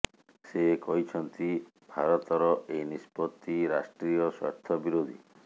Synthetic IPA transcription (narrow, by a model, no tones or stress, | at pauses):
sekɔɦit͡ʃʰɔnt̪i | bʱaɾɔt̪ɔɾɔʔejnispɔt̪ːiɾasʈɾijɔsɔ̰ɾt̪ʰɔbiɾod̪ʱḭ